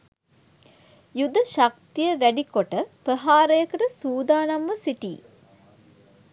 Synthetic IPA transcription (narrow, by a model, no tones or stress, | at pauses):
jud̪əʃak̚t̪ijəʋæɖikoʈəpəɦaːɾəjəkəʈəsuːd̪aːnamʋəsiʈḭː